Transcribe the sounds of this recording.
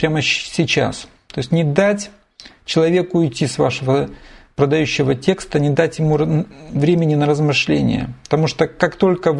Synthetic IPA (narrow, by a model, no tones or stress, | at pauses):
pɾʲaməsʲɪt͡ɕa̰s | t̪o̞ɪsʲtʲnʲɪd̪atʲ | t͡ɕɪlˠɐvʲe̞kʊɪtʲːisva̰ʂɨvəpɾəd̪ɐjʉɕːɪvətʲe̞kst̪ənʲɪd̪atʲjɪmuvɾʲemʲɪnʲɪnəɾəzmɨʂlʲenʲɪ̰jə̰pə̥t̪ɐmuʂt̪okakt̪o̞lʲkə